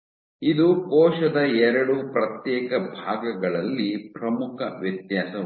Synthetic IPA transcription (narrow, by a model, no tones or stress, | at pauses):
id̪ukɔːʃɐd̪ɐɛɾɐɽupɾɐt̪jɛːkɐbʱaːɡɐɡɐɭɐlːipɾɐmukʰɐʋjɐt̪jaːsɐ